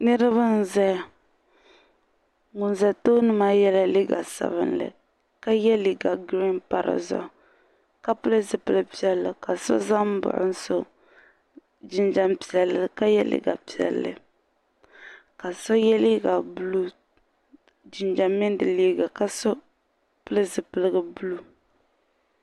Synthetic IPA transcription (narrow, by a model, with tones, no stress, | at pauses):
nɨ˦ɾɨ˦βa˦n˨zɛ˦˨ | ŋʊ˨n˨zɛ˨toː˦nɨ˦ma˦jɛ˦la˦li˦ɡa˨sa̰˨βɨ̰˨nlɨ̰˨ | ka˦jɛ˦li˨ɡa˨ɡɾi˦npa˨ɾɨ̰˨zɔ̰˨ | ka˦pɨ˦lɨ˦zɨ˦pɨ˦lɨ˦pi˦ɛ˦lːɨ˨ka˨sɔ̰˦za˦m˦bʊ̰˨ʔʊ̰˦n̩˦so˦ | d͡ʒi˦nd͡ʒa˦mpi̥˨ɛ˨lɨ˨ka˦jɛ˦lḭ˦˨ɡa˨pi˨ɛ̰˨lːɨ̰˨ | ka˨sɔ˦jɛ˦li˦ɡa˨bu˦lu˦ | d͡ʒi˨nd͡ʒa˨mɛ˦n˦dɨ˨liː˦ɡa˨ka˨sɔ˦ | pɨ˦lɨ˦zɨ˨pɨ˨lɨ˦ɡɨ˨bu˦lu˦